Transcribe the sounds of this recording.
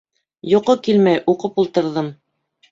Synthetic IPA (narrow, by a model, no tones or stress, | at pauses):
juqɤkilmæjʔuqɤpulˠt̪ɤ̆ɾðɤm